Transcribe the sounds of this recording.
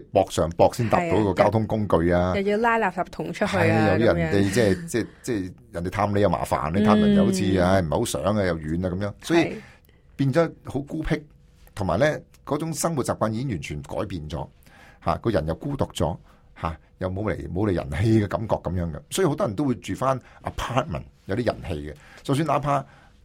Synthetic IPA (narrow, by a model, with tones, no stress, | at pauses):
ɛ˥pɔː˧k̚sœː˨˩ŋpɔː˧k̚siː˥nt̪a̰ː˨pt̪o˨˥wkɔː˧tkaː˥wt̪ʰʊ˥ŋkʊ˥ŋkɵ˧ɥaː˧ɐ˨ji˧laː˥jlaː˨˩p̚la˨p̚t̪ʰʊ˨˩ŋt͡ʃʰə˥thɐ˨jjɐ˨wt̪i˧˥jɐ˨nt̪e˨jt͡sɛː˥˩t͡sɛː˥˧t͡sɛː˥˩jnt̪e˨˩t̪ʰaː˧mle˨˧jɐ˨˧wma̰ː˨˩fa̰ː˨˩nle˧˥t̪ʰaː˧mjɐ˨˩njɐ˨ho˨˥t͡sʰiː˧a˧jm̩˨˩ho˨˦˥sœ̰ː˨˥ŋaː˧jɐ˨wjyː˨˧naː˧kɐ˧mjœː˨˥ŋsɔː˨˥ji˧ | piː˧nt͡sɔː˨˥ho˨˥wkuː˥pʰɪ˥k̚ | t̪ʰʊ˨ŋmaː˨˩jlɛː˥ | kɔː˨˥t͡sʊ˨˥ŋsɐ˥ŋwu˨t̚t͡saː˨pkʷaː˧njiː˨˧kɪ˥ŋjyː˨˩nt͡ʃʰyː˨˩nkɔ̰ː˨˥jpiː˧nt͡sɔ̰ː˨˥ha̰ː˨kɔː˧jɐ˨˩njɐ˨˧wkuː˥t̪ʊ˨k̚t͡sɔ̰ː˨˥ | haː˨˩ | jɐ˨wmo˨˧wlḛ˨˩jmo˨˧wle˨jɐ̰˨˩nhe˧jɡɛː˧kɐ˨˧˥mkɔː˧kːɐ˨˦mjœː˨˥ŋɡɛ˧sɔ˨˥ji˧ho˧˥wt̪ɔː˥jɐ˨˩nt̪o˥wu˧jt͡ʃyː˨faː˥nʔɐ˨pʰaː˥t̚mɐ̰˨˩njwt̪i˥jɐ̰˨˩nhe˧jɡɛ˧t͡sɐ˨˧ws̬y˧nlaː˨˥pʰaː˥